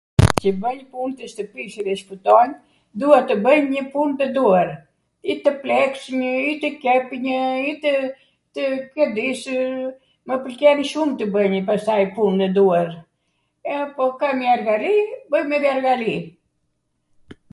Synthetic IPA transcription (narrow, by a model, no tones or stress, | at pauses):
cəbəɲpunt̪əʃt̪əpiʃiðɛʃput̪ɔn | d̪uɛt̪ːəbəɲɲəpunt̪əd̪uaɾ | it̪əplɛksməit̪əkɛpɲəit̪ə | t̪əkəɾd̪iʃ | məpəlkɛniʃumt̪əbəɲəpast̪ajpunt̪əd̪uaɾ | ɛapɔkamiaɾɡalibəjmɛðjaɾɡali